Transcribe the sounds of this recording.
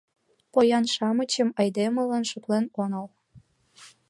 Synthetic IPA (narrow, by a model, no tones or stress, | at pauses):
pojɑnʃɑmət͡ɕəmɑjd̪emə̆lənʃoplenonɑl